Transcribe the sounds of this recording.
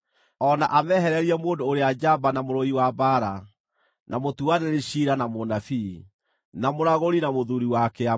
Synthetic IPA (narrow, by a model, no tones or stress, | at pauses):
ɔna̰ʔamɛhɛɾɛɾiɛmoːndoːɾead͡ʒabanamoɾɔiwabaːɾa | namotuaneɾeɕiɾanamonafi | namoɾaɣoɾinamoðuɾiwakɛa